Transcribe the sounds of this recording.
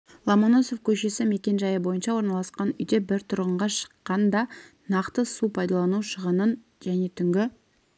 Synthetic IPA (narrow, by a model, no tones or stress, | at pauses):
lˠɑmono̞so̞fkʲʰɵʃe̞sɪme̞kʲe̞nʒɑjəbo̞jənʃɑwo̞ɾnɑlˠɑsqɑnʏ̰jd̪e̞bɪɾt̪ʰʊɾʁəɴʁɑʃə̥qːɑnd̪ɑ | nɑqt̪əsupʰɑjd̪ɑlˠɑnuʃəʁənən | ʒæne̞t̪ʰʏŋɡʲɪ